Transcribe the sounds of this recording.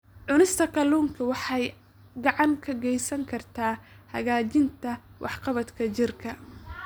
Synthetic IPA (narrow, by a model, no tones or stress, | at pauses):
ʕʊnɪst̪ʰɐqɐluːŋkʰɐwɑħɑj | ɡɑʕɑŋkʰɐɡɛjsɐŋkʰɐrt̪ʰaː | hɐɣaːt͡ʃɪnt̪ʰɐwʔɑħqɑβɐt̪kʰɐt͡ʃɪrkʰɐ